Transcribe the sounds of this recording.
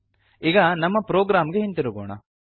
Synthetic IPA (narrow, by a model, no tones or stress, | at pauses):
iːɡɐnɐmːɐpɾoːɡɾaːmɡeɦint̪iɾuɡoːɳɐ̰